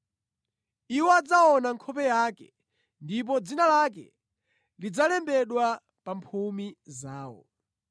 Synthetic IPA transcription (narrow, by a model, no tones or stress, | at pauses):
iwɔad͡zaɔnaŋkʰɔpɛjakɛ | ndip̬ɔd͡zinalak̬ɛ̰ | lid͡zalɛmbɛɗwa | pampʰumizaːwɔ̰